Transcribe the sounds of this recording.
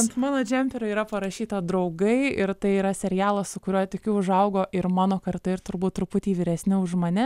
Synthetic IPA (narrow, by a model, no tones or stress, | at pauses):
ɐnt̪mɑːnoːd͡ʒʲɛmʲpʲɛɾʲoiːɾɐpɐɾɐʃʲiːt̪ɐd̪ɾɐʊɡɐɪɪɾt̪ɐɪiːɾɐsʲɛɾʲɪjæːlˠɐssʊkʊɾʲuɔt̪ɪkʲʊʊʒɐʊɡoːʔɪɾmɑːnoːkɐɾt̪ɐɪɾt̪ʊɾbuːt̪̚tːɾʊpʊt̪ʲiːʋʲiːɾʲɛsʲnʲɪʊʒmɐnʲɛ